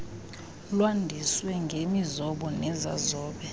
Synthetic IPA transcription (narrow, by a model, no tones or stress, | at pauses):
lwandʱiswɛŋɡʱemizɔɓɔnɛza̰zɔːɓɛ